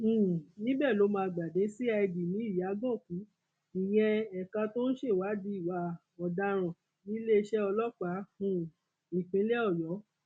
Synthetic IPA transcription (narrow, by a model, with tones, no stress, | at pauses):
nĩ˨˦bɛ˦˨lo˨˦mãː˧˨ɡ͡ba˨de˨˦si˦a˧i˧di˨nĩ˨˦i˦˨ja˨˦ɡɔ̃˦˨kũ˨˦ | i˨j̃ɛ̃˧ɛ˨kã˧to˦ñ̩˦ʃe˦˨wa˨˦di˦i˦˨wa˧ | ɔ˨da˧ɾ̃ã˨ | nĩ˨˦le˦e˧ʃɛ˦ɔ˧lɔ˦k͡pa˨˦fũ˦ | ĩ˨k͡pĩ˨˦lɛ˦ɔ˦˨jɔ˨˦